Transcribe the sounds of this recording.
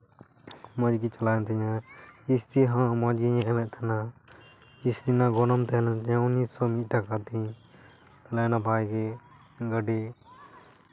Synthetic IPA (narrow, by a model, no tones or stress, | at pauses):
mɔd͡ʒɡit͡ʃɐlajnt̪ʰiɲãist̪iɦãmɔd͡ʒɡiɲɛɛmɛʔt̪ʰana | ist̪inaɡɔnɔmt̪ɛlɛnt̪ʰɛɲãunːissɔmit̪̚ʈakat̪ĩ | t̪alajnabʱajɡɛ | ɡəɖi